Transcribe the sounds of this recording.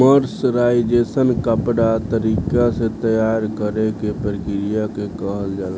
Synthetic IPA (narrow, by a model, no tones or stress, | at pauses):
məɾsɾaid͡ʒesənkəpɽat̪əɾiːkaset̪əjaɾkəɾekepɾkɾijakekəɦəld͡ʒaːla